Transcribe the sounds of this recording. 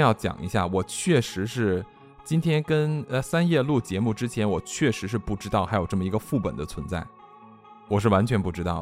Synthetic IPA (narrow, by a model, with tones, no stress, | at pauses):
jɑ˥˩ʊt͡ɕjɑ̰˨˩ŋʔḭ˧˥ɕja̰˥˩wɔ˨˩t͡ɕʰɥɛ˥˩ʂɻ̩˧˥ʂɻ̩˥˩ | t͡ɕi˥nt̪ʰjɛ˥nkə˥n˧sa˥njɛ˥˧lu˥˩t͡ɕjɛ˧˥mu˥˧ʈ͡ʂɻ̩˥t͡ɕʰjɛ˧˥nwɔ˨˩t͡ɕʰɥɛ˥˩ʂɻ̩˧˥ʂ̬ɻ̩˥˧pu˥˩ʈ͡ʂɻ̩˥t̪ɑ˥˩ʊxa˧˥ɪjo˨˩ʊʈ͡ʂɤ˥˩mə˩i˧˥ɡə˧fu˥˩pə̰˨˩nd̪ə˦t͡sʰwə˧˥nt͡sa˥˩ɪ | wɔ˨˩ʂ̬ɻ̩˥˩wa˧˥nt͡ɕʰɥɛ˧˥npu˥˩ʈ͡ʂɻ̩˥t̪ɑ˥˩ʊ